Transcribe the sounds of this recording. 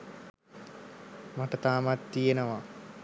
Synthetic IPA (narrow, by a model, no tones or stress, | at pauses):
maʈət̪aːmat̪ːijenəʋa